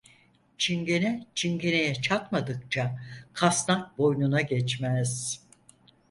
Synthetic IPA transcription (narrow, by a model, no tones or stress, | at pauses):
t͡ʃʰiŋɟe̞nɛt͡ʃʰiŋɟe̞ne̞jɛt͡ʃʰakmad̪ɯk̚t͡ʃʰakʰasnak̚bo̞jnunaɟɛt͡ʃmɛz̥